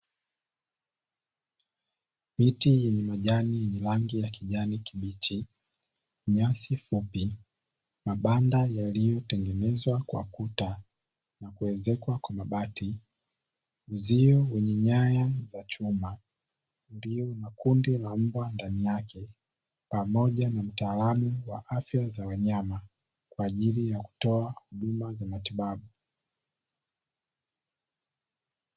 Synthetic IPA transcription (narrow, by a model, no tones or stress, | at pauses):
mitijɛɲɛmaʄanijɛɲɛlaŋɡijakiʄanikiɓit͡ʃi | ɲasifupi | maɓandajalijɔtɛŋɡɛnɛzwakwa̰kuta | nakuɛzɛkwakwamaɓati | uziɔwɛɲɛɲajazat͡ʃuma | ndiɔnakundilam̩bwandanijakʰɛ | pamɔʄanam̩taːlamuwaʔafjazawaɲama | kwaːʄilijaku̥tɔahuɗumazamatiɓaɓu